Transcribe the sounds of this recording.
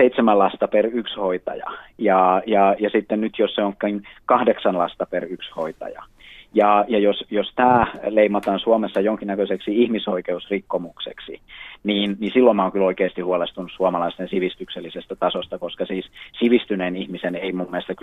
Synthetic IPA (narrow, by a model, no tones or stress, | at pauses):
eit̪semælɑst̪ɑperykshoit̪ɑ̰jɑ̰jɑːjɑjɑsit̪ːennyt̪josseoŋkːnkɑhdeksɑnlɑst̪ɑperykshoit̪ɑ̰jɑ̰ | jɑːjɑjosjost̪æːleimɑt̪ɑːnsuɑmesːɑjoŋkinːækøseksiihmisoikeusrikːomuksḛksḭniːnnisilːomɑoŋkyloikeːst̪ihuolest̪unussuɑomɑlɑist̪ensiʋist̪ykselːisest̪æt̪ɑsost̪ɑkoskɑsiːssiʋist̪yneːnihmiseneimumːest̪ːɑk